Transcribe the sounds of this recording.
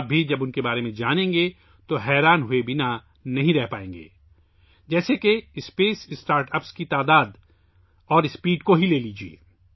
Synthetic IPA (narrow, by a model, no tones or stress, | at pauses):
b̚ʱid͡ʒɐbʊnkebaːɾemẽd͡ʒaːnẽːŋɡe | t̪oɦɛːɾaːnɦʊebʱina | nɐɦĩɾɛɦpa̰ːẽːŋɡḛː | d͡ʒɛːsekeɪspeːsɪsʈaːɾʈɐpskit̪aːd̪aːd̪ | ɔːɾɪspiːɖkoɦileːliːd͡ʒiḛː